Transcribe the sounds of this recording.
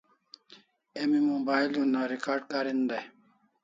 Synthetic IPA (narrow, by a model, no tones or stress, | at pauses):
emimobaːjlunaɾikaːɾɖ̚kaːɾind̪aj